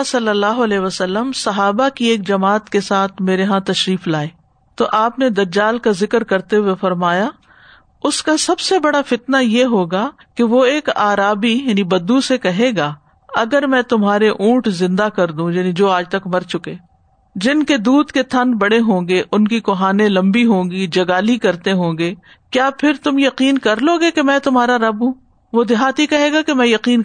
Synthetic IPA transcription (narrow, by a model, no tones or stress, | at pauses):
sɐlːəlːaːɦoɐlɛːɦʋəsəlːəmsɐɦaːbakieːkd͡ʒɐmaːt̪kesaːt̪ʰmeːɾeɦãt̪ɐʃɾiːflaːeː | t̪oʔaːpned̪ɐd͡ʒaːlkazɪkɾkɐɾt̪eɦʊwefɐɾmaːja | ʊskasɐbsebɐɽafɪt̪najeɦoːɡa | keʋoeːkaːɾaːbijaːnibɐd̪ːusekɐɦeɡaː | ɐɡəɾmɛ̃ːt̪ʊmɦaːɾeʔũːʈzɪ̃nd̪akɐɾd̪ũjaːnid͡ʒoːaːd͡ʒt̪ɐkmɐɾt͡ʃʊkeː | d͡ʒɪnked̪uːd̪ket̪ʰɐ̃nbɐɽeɦõːŋɡeʔʊnkikʊɦaːnẽlɐ̃mbiɦõːɡid͡ʒɐɡaːlikɐɾt̪eɦõːŋɡeː | kjaːpʰɪɾt̪ʊmjɐqiːnkɐɾloːɡekemɛ̃ːt̪ʊmɦaːɾaɾɐbɦũː | ʋod̪ɪɦaːt̪ikɐɦeːɡakemɛ̃ːjɐqiːn